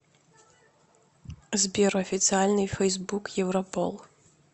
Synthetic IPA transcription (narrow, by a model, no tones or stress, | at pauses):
zbʲɛɾɐfʲit̪sɨalʲnɨjfɛjzbukjɛwɾɐpɔ̰lˠ